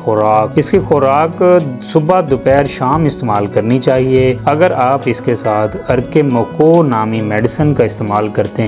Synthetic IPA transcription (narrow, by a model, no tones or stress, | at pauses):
xʊɾaːkɪskixʊɾaːksʊbad̪ʊpɛːɾʃaːmɪst̪eːmaːlkɐɾnit͡ʃaːɦieɐɡəɾaːpɪskesaːt̪ʰɐɾkemoːkonaːmimɛːɖɪsənkaɪst̪eːmaːlkɐɾt̪eɦɛ̃